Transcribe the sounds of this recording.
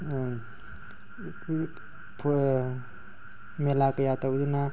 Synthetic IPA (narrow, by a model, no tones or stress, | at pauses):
pʰ | melakajatawduna